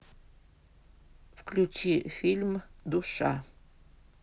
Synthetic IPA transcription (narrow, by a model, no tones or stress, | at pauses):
fklʲut͡ɕifʲilʲmd̪uʃɑ